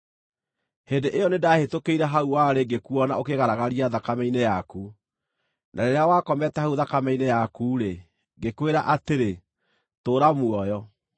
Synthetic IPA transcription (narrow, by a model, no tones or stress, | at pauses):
hendeʔejɔnedahetokeiɾaɦauwaɾeɡekuɔna̰okeɣaɾaɣaɾiaðakamɛinejaku | nʔaɾeɾeawakɔmɛtɛhauðakamɛinejakuːɾe | ɡekweɾaʔateɾe | toːɾamwɔjɔ